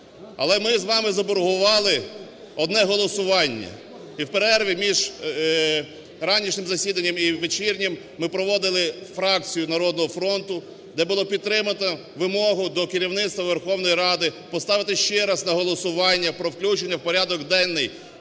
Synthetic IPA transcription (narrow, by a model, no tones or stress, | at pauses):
ɐ̰lˠɛmɪzʋɑmɪzɐbɔɾɦʊʋɑlˠɪ | ɔd̪nɛɦɔlˠɔsʊʋɑnʲːɐ̰ | iwpeɾɛrʋʲimʲiʒ | ɾɑnʲiʃnɪmzɐsʲid̪ɐnʲːɐmiʋet͡ʃirnʲɐmːɪpɾɔʋɔd̪ɪlˠɪfɾɑk̚t͡sʲijʊnɐɾɔd̪̚nɔɦɔfɾɔnt̪ʊ | d̪ɛbʊlˠɔpʲid̪̚t̪ːɾɪmɐt̪ɔ | ʋɪmɔɦʊd̪ɔkɪɾʲiwnɪt̪t̪ʋɐʋerxɔwnɔjiɾɑd̪ɪpɔst̪ɑʋɪt̪ɪʃt͡ʃɛɾɐznɐɦɔlˠɔsʊʋɑnʲːɐpɾɔwklʲut͡ʃenʲːɐwpɔɾʲɑd̪ɔkd̪ɛnːɪj